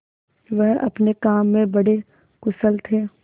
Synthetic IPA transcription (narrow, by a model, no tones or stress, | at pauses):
ʋɛɦɐ̰pnekaːmːẽbɐɽe | kʊsəlt̪ʰeː